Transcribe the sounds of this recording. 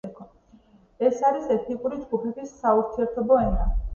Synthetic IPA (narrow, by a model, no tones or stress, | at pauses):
ɛkʰɔ | ɛsaɾisɛt̪ʰikʼuɾid͡ʒɡupʰɛt̪ʰisːauɾt̪sʰiɛɾt̪ʰɔbɔɛna